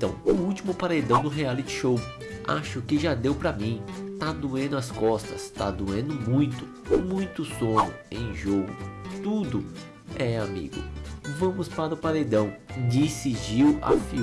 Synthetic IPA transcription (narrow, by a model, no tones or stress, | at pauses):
t̪ɐ̃w̃ʊuwt͡ʃimʊpaɾejd̪ɐ̃w̃d̪ʊɦealit͡ʃɪ̥ʃow | a̰ʃʊkɪʒad̪ewpɾɐmĩt̪ad̪uẽnd̪ʊɐskɔst̪ɐst̪ad̪uẽnd̪ʊmũj̃t̪ʊ̥ | mũj̃t̪ʊsõnʊ̰ẽj̃ʒoɡʊ̰t̪ud̪ʊ | ɛamḭɡʊ̰vɐ̃mʊspaɾʊpaɾejd̪ɐ̃w̃d͡ʒisɪd͡ʒiwa̰fi